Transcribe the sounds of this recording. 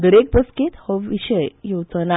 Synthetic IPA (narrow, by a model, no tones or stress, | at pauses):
ɡəɽek̚bəskit̪hɔʋiɕəjjot͡sna